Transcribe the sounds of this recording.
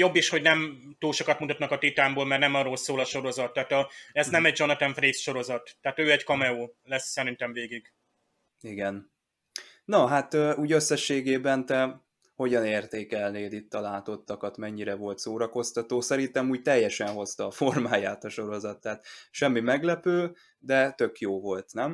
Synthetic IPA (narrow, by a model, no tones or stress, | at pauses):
jo̞bːiʃho̞ɟnɛm | t̪uːlʃo̞kɒt̪mut̪ɒt̪nɒkɒt̪it̪aːmboːlmɛrnɛmɒrːolsoːlɒʃo̞ɾo̞zɒt̪ːaːt̪ɒɛznɛmɛɟ̚d͡ʒo̞nɛt̪ɛɱfreːsʃo̞ɾo̞zɒt̪ːɛaːt̪øːɛɟkɒmɛoːlɛsːɛɾint̪ɛɱveːɡiɡ | iɡɛn | nɒɦat̪øuːɟø̞sːɛʃːeːɡeːbɛnt̪ɛ | ho̞ɟɒneːrt̪eːkɛlneːlit̪ːɒlaːt̪o̞t̪ːɒkɒt̪mɛɲːiɾɛvo̞lt̪soːɾɒko̞st̪ɒt̪oːsɛɾint̪ɛmuːɟ̚t̪ɛjːɛʃɛnɦo̞st̪ɒːfo̞rmaːjaːt̪ɒʃo̞ɾo̞zɒt̪ːaːt̪ʃɛmːimɛɡlɛpøː | d̪ɛt̪ø̞kjoːvo̞lt̪nɛm